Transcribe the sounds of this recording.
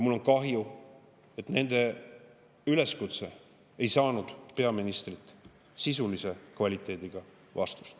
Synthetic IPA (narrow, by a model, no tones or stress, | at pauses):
mulːo̞nkɑɦju | e̞t̪ːne̞nd̪̥e̞ | yle̞skut̪se̞ | ejsɑːnud̪̥pe̞ɑminist̪rit̪ːˑ | sisulise̞kvɑlʲit̪ːˑe̞ːd̪̥iɡ̥ɑ | vɑ̰st̪u̥st̪